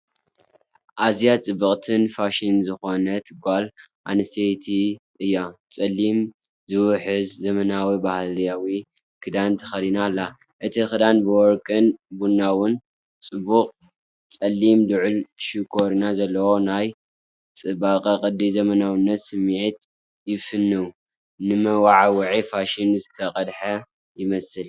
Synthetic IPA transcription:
ʔazijat͡sʼɨbɨχʼt̪ʰɨnfaʃinzɨxo̞nɐt̪ʰɨɡbal | ʔa̰nɨsejt̪ʰiʔɨjːat͡sʼɐlːim | zɨwʊħɨzzɐmɐnawibahljawi | kʰɨd̪ant̪ʰɐ̥xɐlinalːa | ʔɨt̪ʰixɨd̪anbɨwɔɾkʼɨnbunːawʊn | t͡sʼɨbːuqʼ | t͡sʼɐlːimd̪ɨʕʊlʃikʰo̞ɾinazɐlːɐwo̞naj | t͡sʼɨbaqʼɐqʼɨd̪izɐmɐnawinːɐt̪sɨmʕit̪ | jɪfɨnːɨw | nɨmɐwaʕawɨʕifaʃinzɨt̪ʰɐqʼɐd̪ħɐ | jɪmɐsɨl

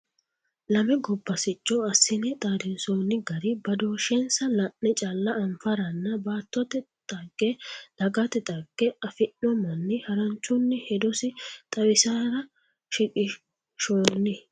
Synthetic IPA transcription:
lɐmɛɡɔbːɐsɪt͡ʃʼːɔɐsːɪnɛt̪ʼaːd̪ɪnsoːnːɪɡɐɾɪbɐd̪oːʃɛnsɐlɐʔːɛt͡ʃʼalːɐɐmfɐɾɐnːɐbaːt̪ːɔt̪ɛ | t̪ʼɐɡɛd̪̥ɐɡɐt̪ɛt̪ʼɐɡ̥ːɛɐfɪʔːɔmɐnːɪhɐɾɐnt͡ʃːʊnːɪhɛd̪ɔsɪt̪ʼɐwɪsaːɾɐ | ʃɪkʼɪ | ʃoːnːɪ

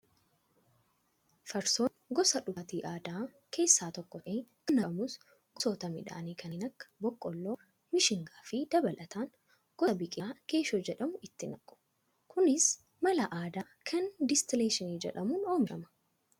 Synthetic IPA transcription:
fɐɾsoːnɡɔsɐᶑʊt̪iːʔaːd̪aː | kʰe̞ːsːaːt̪ɔkːɔe | ɐnɐɐmʊs | ɡsoːt̪ɐmɪ̰ᶑa̰ːniːkʰɐnɪnɐkːɐ̥bɔkʼːɔlːoː | mɪʃɪŋɡaːfɪd̪ɐbɐlʔɐt̪aːŋ | ɡ̥ɔbɪkʼaːke̞ːʃoːd͡ʒɛᶑɐmʊɪt̪ːɪnɐkʼʊ̥ | kʰʊnɪs | mɐlɐʔaːd̪aːkʰɐnd̪ɪst̪ɪleːʃɪniːd͡ʒɛ̰ᶑɐmuːnoːmɪɾɐ̰mɐ̥

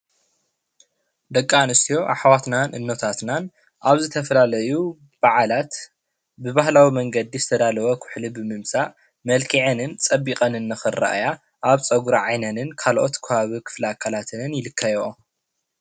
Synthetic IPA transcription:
d̪ɐkʼːanɨst̪ʰijo̞ʔaħawat̪nanʔɨnːot̪ʰat̪nan | ʔaβzɨt̪ʰɐfɐlalɐju | b̥aʕalat̪ | bɨβahlawimɐŋɡɐd̪ːizɨt̪ʰɐd̪alɐwɐkʰʊ̥ħlibɨmɨmsa | mɐlkʰiʕenɨnt͡sʼɐbːikʼɐnɨnːɨxɨra̰ʔja | ʔaβt͡sʼɐɡuɾaʕajnɐnɨnkʰalʔo̞t̪kʰɨβaβikʰɨ̥flɨakʰːalat̪ʰɨnɨnjɪlɨkʰːajɛʔo

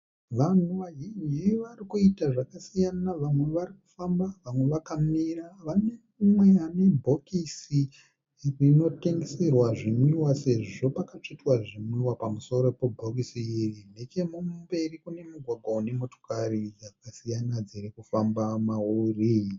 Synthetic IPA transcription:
ʋan̤uʋaɦind͡ʒiʋarikuitaʐakasijanaʋamwe̞ʋariku̥fambaʋamwe̞ʋakamiraʋane̞ | umwe̞ane̞bʱo̞kisi | rino̞teŋɡeserwaʐiniwase̞ʐo̞pakat͡ʂitwaʐimwiwapamuso̞ɾo̞pebʱok̬isiirine̞ke̞mube̞rikune̞muɡʱwaɡʱwaune̞moto̥karid͡zakasijanad͡ziɾikufambamauri

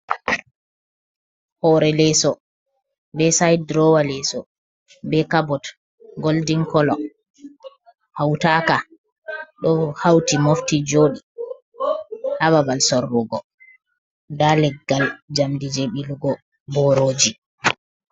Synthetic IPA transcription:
hɔɾɛlɛsɔ | bɛsajdɾɔwalɛsɔ | bɛkabɔt | ɡoldiŋkɔlɔ | hawtaːka | ɗɔhawtimoftid͡ʒoːɗi | haβabalsɔrːuɡɔ | dalɛɡːald͡ʒamdid͡ʒeɓiluɡɔ | bɔɾoːd͡ʒi

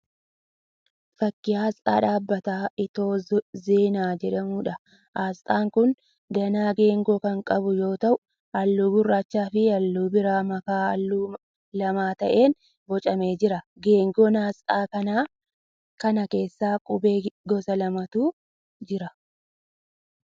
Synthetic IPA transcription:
fɐkːɪaːsa̰ːᶑaːbːɐt̪aːʔɪt̪o̞ːze̞ːnaːd͡ʒɛᶑɐmuːᶑɐ | ʔaːst̪ʼaːŋkʊn | d̪ɐnaːɡe̞ːŋɡoːkɐŋkʼɐbʊjo̞ːt̪ɐʔʊ | ʔɐlːuːɡʊrːaːt͡ʃːaːfɪɐlːuːbɪɾaːmɐkaːɐ̰lːuː | lɐmaːt̪ɐʔe̞ːn | bɔt͡ʃʼɐme̞ːd͡ʒɪɾɐ | ɡeːŋɡoːnaːsaːkɐnaː | kɐnɐke̞ːsːaːkʼʊbe̞ːɡɔsɐlɐmɐt̪uː | d͡ʒɪɾɐ

